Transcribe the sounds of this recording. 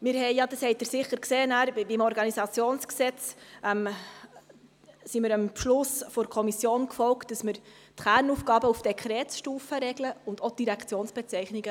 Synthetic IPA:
mɪɾɦɛɪjɑd̥əshɛɪt̚dəɾsɪχəɾkseːnæːɾbimɔɾɡɑnisɑt͡sjoːnsksɛt͡sʔɛm | siməɾəmpʃlʊsfɔɾkʰɔmisjoːnkfɔlkt̚d̥ɑsməɾ | tχæːrnufɡ̥ɑːbəufd̥ɛkʰɾɛːtʃtuːfəɾɛɡləʊndod̥iɾækʰt͡sjoːnsb̥ɛt͡sɛɪχniɡə

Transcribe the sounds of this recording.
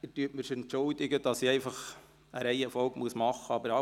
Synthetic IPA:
ɪtyətmɪʃɛntːʊld̪ɪɡəd̥ɑsiɛɪfɑχ | əɾæɪɛfɔlɡmuəsmɑχəɑbəɾɑ

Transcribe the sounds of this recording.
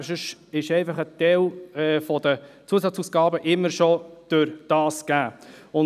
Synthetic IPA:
ʃəʃɪʃɛɪfɑχət̪ɛlɛfɔd̥̪ət͡suəsɑt͡suːsɡ̥ɑːbəʔɪmːəɾʃod̥øɾd̥ɑːskæːʊn

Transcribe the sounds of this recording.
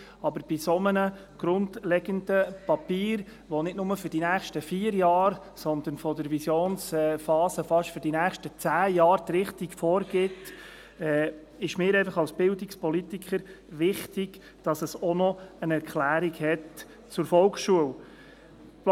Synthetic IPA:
ɑbəɾb̥isɔmənə | ɡ̥ɾʊndlɛɡəndəpɑpiːɾ | ʋɔnɪtnʊməfʏɾdinæːχʃtəfiːəɾjɑːɾ | sɔnd̪ənfɔdəɾʋisjoːnsɛfɑːsəfɑʃtfɵɾd̥inæːχʃtət͡sæːjɑːɾt̪ɾɪχtikfɔːɾɡ̥ɪt | ɛː | ɪʃmɪːɾɛɪfɑχɑlsb̥ɪldikspɔlit̪ikχəɾʋɪχtiɡ | d̥ɑsəsɔnɔənɛɾkʰlæːɾiɡhɛt | t͡sʊɾfɔlksʃuəw

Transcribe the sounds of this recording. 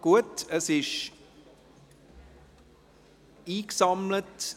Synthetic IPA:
kuət̪əsɪʃ | iːksɑmlət

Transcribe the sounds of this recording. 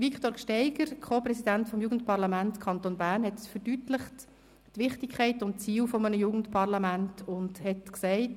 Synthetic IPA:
ʋikχtoːɾkʃtɛɪɡ̥əɾkʰχoːprɛsidæntfɔmjuːɡən̩tpɑɾlɑmæntkʰɑnt̪oːnbæːɾnhɛtfəɾdytləχt | tʋɪχtikʰχɛɪtʊntt͡siːwfɔmənəjuːɡən̩tpʰɑɾlɑmæntʊndhɛtksɛɪt

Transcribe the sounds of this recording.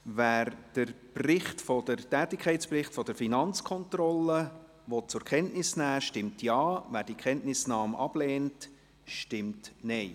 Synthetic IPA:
ʋæːɾd̥əɾ | prɪχtfɔd̥əɾtɛːtɪkʰχɛɪtt͡ssprɪχtfɔd̥əɾfinɑnt͡skʰɔnt̪rɔlːə | ʋɔt̚t͡sʊɾkχɛntnɪsnæːʃtɪmtjɑːʋæːɾd̥ikʰχɛntnɪsnɑːmʔɑb̥leːnt | ʃtɪmtnɛɪ

